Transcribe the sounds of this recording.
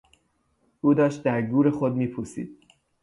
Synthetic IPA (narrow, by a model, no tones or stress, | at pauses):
ʔuːd̪ɒːʃt̪̚d̪æɾɡuːɾe̞xod̪miːpʰusḭːd̪̥̚